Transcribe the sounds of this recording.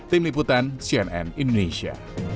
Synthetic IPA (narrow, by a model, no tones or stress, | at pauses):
t̪ɪmlip̬ut̪ansiɛnɛ̰nindonesia̰